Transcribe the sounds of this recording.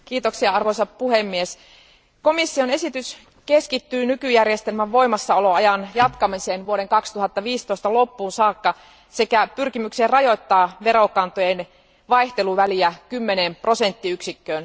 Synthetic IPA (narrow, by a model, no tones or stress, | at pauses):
kiːt̪oksiɑɑrʋojsɑppuɦhemːies | ko̞misːio̞ne̞sit̪ys | keskit̪ːyːnykyjærjest̪e̞lmæʋʋo̞jmɑsːɑoloɑjɑnjɑt̪kɑmiseːnʋuoɾe̞ŋkɑkst̪uɦɑt̪ːɑʋiːst̪o̞ist̪ɑlo̞pːuːnsɑːkːɑ | se̞kæpyrkimykseːrɑjo̞jt̪ːɑːʋe̞ɾo̞kɑnt̪ojen | ʋɑjht̪e̞luʋæliækymːenempro̞se̞nt̪ːiyksikːøːn